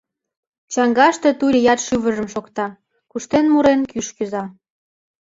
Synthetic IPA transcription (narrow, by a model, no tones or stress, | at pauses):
t͡ɕɑŋɡɑʃt̪e̽t̪ulʲjɑt̪ʃyβə̆ʒə̆mʃokt̪ɑ | kuʃt̪enmuɾenkyʃkyzɑ